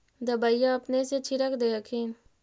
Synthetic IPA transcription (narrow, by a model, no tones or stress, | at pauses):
d̪əbaːijaɐpneset͡ʃʰiɾəkʰd̪eəkʰin